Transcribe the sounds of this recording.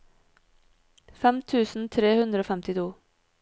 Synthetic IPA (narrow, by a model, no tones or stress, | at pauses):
fɛmt̪ʰʉːsn̩t̪ʰɾeːhʉnd̪ɾəoːfɛmt̪ɪt̪ʰuː